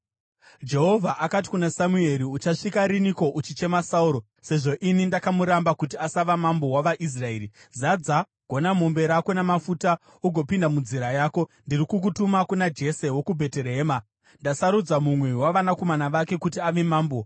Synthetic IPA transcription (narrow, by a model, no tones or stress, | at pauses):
d͡ʒe̞ɦo̞vʱaʔakat̬i̥kunasamue̞ɾiut͡ʃaʂikaɾiniko̞ʔut͡ʃit͡ʃe̞masauɾo̞ | se̞ʐo̞ʔinindakamuɾambakut̬iasaʋamambo̞waʋaʔis̬rae̞ːɾi | zad͡za | ɡ̥ʱo̞namo̞mbe̞ɾako̞namafuta | uɡʱo̞pindamund͡ziɾajaːko̞ndirikuk̬utumakunad͡ʒe̞se̞wo̞kubʱe̞teɾeɦeːma | ndasaɾud͡zamumwe̞waʋanako̞manaʋake̞kutiaʋe̞maːmbo̞